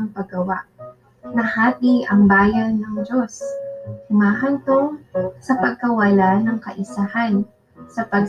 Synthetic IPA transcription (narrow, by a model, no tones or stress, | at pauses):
ɐŋpɐɡɐwa̰ʔ | nɐhaːt̪iʔɐŋbaːjɐnːɐŋd͡ʒo̞shʊmaːɦɐnt̪osɐpɐɡ̚kɐwɐlanɐŋkɐʔɪsahɐn | sɐpɐɡ